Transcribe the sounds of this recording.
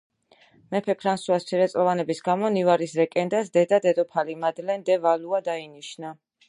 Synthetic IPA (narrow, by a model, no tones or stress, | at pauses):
mɛpʰɛpʰɾansuast̪sʰiɾɛt̪sʼlɔvanɛbisɡamɔnivaɾisɾɛkʼɛnd̪asd̪ɛd̪ad̪ɛd̪ɔpʰalimad̪lɛnd̪ɛvaluad̪ainiʃna